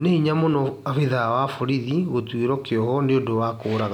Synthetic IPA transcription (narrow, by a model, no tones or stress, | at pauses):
neiɲamonɔafiðawafoɾiðiɣotweɾɔkeɔhɔneondowakoːɾaɣa